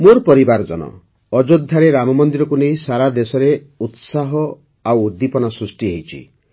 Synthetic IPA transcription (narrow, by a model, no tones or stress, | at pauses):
moɾpɔɾibaɾd͡ʒɔ̰nɔ̰ | ɔd͡ʒod̪ʱːaɾeɾamɔmɔnd̪iɾɔkunejsaɾad̪esɔɾe | ut̪saɦɔ | awːd̪ːipɔnasɾusʈiɦejt͡ʃʰḭ